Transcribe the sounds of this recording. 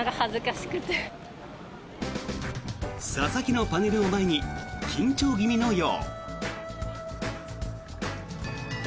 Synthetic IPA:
ɡahazɨkaɕi̥kɯ̟t̪e | sasakʲino̞pane̞ɾɯomaiɲ̟ikʲʰĩɲ̟t͡ɕo̞ːɡʲimʲino̞jo̰ː

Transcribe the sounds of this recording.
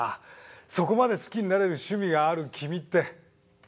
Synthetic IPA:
so̞ko̞mad̪e̞sɨ̥kʲiɲ̟inaɾe̞ɾɯ̟ɕɨmʲiɡaːɾɯ̟kʲʰimʲit̪ːe̞

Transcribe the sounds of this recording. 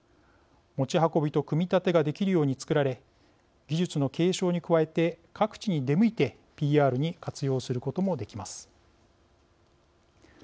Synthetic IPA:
mo̞t͡ɕiɦako̞bʲit̪o̞kɯ̟mʲit̪at̪e̞ɡad̪e̞kʲiɾɯ̟jo̞ːɲ̟it͡sɨ̥kɯ̟ɾaɾe̞ | ɡʲiʑɨt͡sɨno̞ke̞ːɕo̞ːɲ̟ikɯ̟βae̞t̪e̞kʰakɯ̟̥t͡ɕiɲ̟id̪e̞mɯ̟it̪e̞ | pʲiːaːɾɯ̟ɲ̟ikat͡sɨjo̞ːsɨɾɯ̟ko̞t̪o̞mo̞d̪e̞kʲimasɨ̥

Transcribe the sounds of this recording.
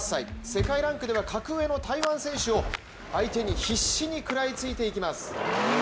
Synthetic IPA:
sːaise̞kaiɾãŋkɯ̟d̪e̞βakʰakɯ̟ːe̞no̞t̪aiβãɰ̃sẽ̞ɰ̃ɕɨo̞ | ait̪e̞ɲ̟içiɕːiɲ̟ikɯ̟ɾait͡sɨit̪e̞ikʲimasɨ̥

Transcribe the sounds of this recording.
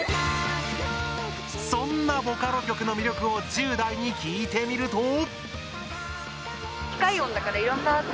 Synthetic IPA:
sõ̞nːabo̞kaɾo̞kʲo̞kɯ̟no̞mʲiɾʲo̞kɯ̟o̞ʑɨːd̪aiɲ̟ikʲiːt̪e̞mʲiɾɯ̟t̪o | ki̥kaiõnːd̪akaɾaiɾõ̞nːa

